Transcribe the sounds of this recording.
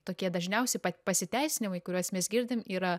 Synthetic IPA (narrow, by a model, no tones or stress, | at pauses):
t̪oːkʲiɛd̪ɐʒʲnʲɛʊsʲɛɪpɐpɐsʲɪt̪ʲɛɪsʲɪnʲɪmɐɪkʊɾʲuɔsmʲɛsɡʲɪɾʲd̪ʲɪmiːɾɐ